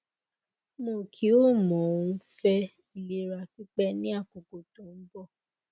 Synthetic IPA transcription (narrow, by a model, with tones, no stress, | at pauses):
mõ˦˨kʰi˦o˦mɔ̃˨ũ˦fɛ˦ | i˨le˨ɾa˨fi˦k͡pɛ˦nĩ˦a˦˨ko˨ko˨tõ˨m̩˦bɔ˦˨